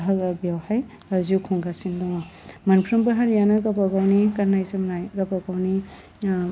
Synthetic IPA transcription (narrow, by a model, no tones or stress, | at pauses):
ɦalabjawhaj | azukʰɔŋɡasindɔŋa | mɐnpʰɾɐmbɐɦaɾijanɐɡapakawnikaɾnajsɐmnajɡapakawni